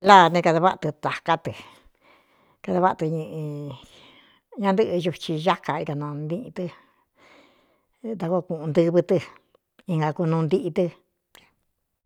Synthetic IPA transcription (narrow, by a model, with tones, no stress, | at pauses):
la˦˨nẽ˧ka˧ða˧βa˦ʔt̪ɨ˧t̪a˨ka˦t̪ɨ˨ | ka˧ða˧βa˦ʔt̪ɨ˧ɲɨ̃˧ʔĩ˧ | ɲã˧nd̪ɨ˦ʔɨ˧ʒu˧t͡ʃi˧ʒa˦ka˧i˧ka˧nõ˧nd̪ĩ˦ʔt̪ɨ˧ | t̪a˧ko˦˧kũ˧˨ʔũ˧nd̪ɨ˦˧βɨ˧t̪ɨ˧ | ĩ˧ŋɡa˧ku˧nũː˧nd̪i˦ʔi˧t̪ɨ˧